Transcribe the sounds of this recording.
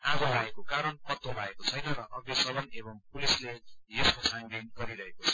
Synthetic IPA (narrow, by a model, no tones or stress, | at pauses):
aɡʌɾaekokaɾʌnpʌt̪ːobʱaekot͡sʰʌjnʌrʌʔʌɡesʌbʌnebʌŋpulislejeskosʰaŋɡinɡʌɾiɾʌɦekot͡sʰʌ̥